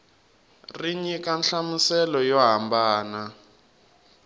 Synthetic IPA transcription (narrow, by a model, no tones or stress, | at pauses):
riɲikanɬamusɛlɔjɔɦambaːna